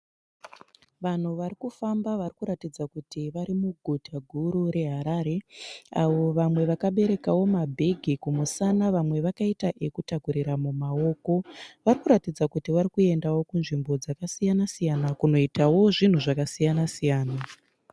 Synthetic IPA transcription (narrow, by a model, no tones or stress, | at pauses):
ʋan̤uʋaɾikufambaʋarikuɾatid͡zakutiʋaɾimuɡʱutʰaɡʱuɾuɾe̞ɦaɾaɾe̞aʋo̞ʋamwe̞ʋakaɓe̞ɾe̞kawo̞mabʱeɡʱikumusanaʋamwe̞ʋakaitaʔe̞kutakuɾiɾamumao̞ːko̞ʋaɾikuɾatid͡zakutiʋaɾikue̞ndawo̞kunʐimbo̞d͡zakasijanasijanakuno̞itawo̞ʐin̤uʐakasijanasijaːna